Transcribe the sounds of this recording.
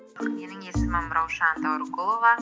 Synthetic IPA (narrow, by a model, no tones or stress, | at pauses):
me̞nɪŋe̞sɪmɑməɾɑwʃɑnt̪ɑwɾɡolˠovɑ